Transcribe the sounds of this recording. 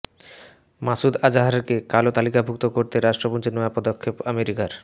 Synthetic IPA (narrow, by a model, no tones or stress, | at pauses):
masud̪ad͡ʑaɦaɾeɾkekalot̪alikabʱuk̚t̪okoɾt̪eɾaʃʈɾopont͡ɕinɔeapɔd̪okʰːepameɾikaɾ